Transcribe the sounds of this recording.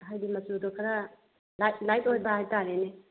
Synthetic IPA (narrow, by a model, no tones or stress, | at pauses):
ɦajdimɐsudokʰaɾa | lajlajtojbɐɦajtalene